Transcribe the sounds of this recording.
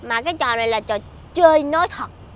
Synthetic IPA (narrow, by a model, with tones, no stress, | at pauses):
maː˨˩kaː˨˦jt͡ɕɔ̰˧˨na˨˩jlaː˨˩t͡ɕɔ˧˨˩ | t͡ɕəː˧jnɔ˨˦jt̪ʰwə˨˩t̚